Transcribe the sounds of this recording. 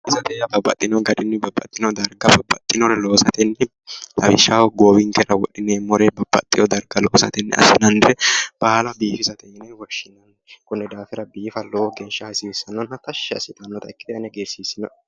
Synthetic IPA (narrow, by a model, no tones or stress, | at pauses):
ʔɪsɐt̪ɛjɐbɐbːɐ̰t̪ʼːɪnɔɡɐd̪ɪnːɛbɐbːɐ̰t̪ʼːɪnɔd̪ɐɾɡɐbɐbːɐt̪ʼːɪnɔɾɛlo̞ːsɐt̪ɛnːɛ | ɐ̰bɪʃːawɡoːwɪŋkɛɾɐwɔɗɪneːmɔɾɛbɐbːɐt̪ʼːɪjɔd̪ɐɾɡɐloːsɐ̰t̪ɛnːɛ̰ɐ̰sɪnɐnd̪ɾɛb̥ɐhɐlɐbiːfɪsɐt̪ɛjnɛwɔʃːɪnɐnː | kʊnːɛd̪aːfɪɾɐbiːfɐloːɡɛnʃɐhɐsisɐnːɔnhɐt̪ɐʃːɛɐ̰sɪt̪ʼɐnːɔt̪ɐɪkːɪd̪ɛɐnɛɡeːsiːsːɪnɔ